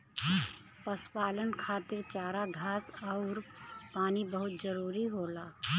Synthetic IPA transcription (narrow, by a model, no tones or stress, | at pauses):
pəspaːlənkʰaːt̪ɪɾt͡ʃaːɾaɡʱaːsɔːɾpaːnibəɦʊt̪̚zəɾuːɾiɦoːlaː